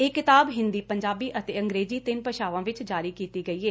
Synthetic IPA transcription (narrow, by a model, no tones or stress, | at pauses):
eːkɪt̪aːbɦɪ̃nd̪iːpəɲd͡ʒaːbiːʔət̪eːə̃ŋɡɾeːziːt̪ɪnpəʃaːʋãːʋɪt͡ʃd͡ʒaːɾiːkiːt̪iːɡəiːeː